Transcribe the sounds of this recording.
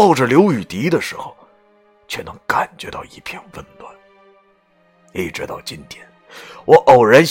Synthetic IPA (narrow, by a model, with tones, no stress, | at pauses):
ɑ˥˩ʊʈ͡ʂə˨˩ljo˧˥ʊy˨˩t̪i˧˥d̪ə˨ʂɻ̩˧˥xo˧ʊ | t͡ɕʰɥɛ˥˩nɤ˧˥ŋka˨˩nt͡ɕɥɛ˧˥t̪ɑ˥˧ʊi˥˩pʰjɛ˥˧nwə˥˩nt̪wa˥˩n˧˥˩ | ʈ͡ʂɻ̩˥t̪ɑ̰˥˩ʊt͡ɕi˥nt̪ʰjɛ˨˩˦n | wʔɔ˧˩ʔo˨˩ʊɻə˧˥n